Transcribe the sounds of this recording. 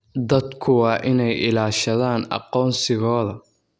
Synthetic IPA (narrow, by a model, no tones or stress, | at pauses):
d̪ɐd̪kʰʊwɑːʔɪnɛjʔɪlaːʃɐðaːnɑ̰qɔːnsɪɣɔːðɐ